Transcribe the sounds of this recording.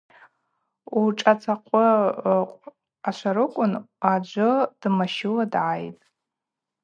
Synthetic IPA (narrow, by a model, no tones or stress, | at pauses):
uʈ͡ʂʼat͡sʰaqʷʰʼʊqʷʼ | aʃʷaɾɨkʷʼʊnad͡ʒʷʊd̥maʃɪladʕajtʼ